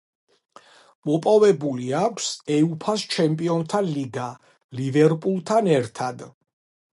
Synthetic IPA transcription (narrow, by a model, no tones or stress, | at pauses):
mɔpʼɔvɛbuliakʷʰsɛupʰast͡ʃʰɛmpʼiɔnt̪ʰaliɡa | livɛɾpʼulˠt̪ʰanɛɾt̪ʰad̪